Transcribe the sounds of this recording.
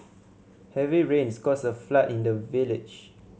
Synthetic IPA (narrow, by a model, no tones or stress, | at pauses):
hɛviɹẽnskɔsəflatĩndəvilɪd͡ʒ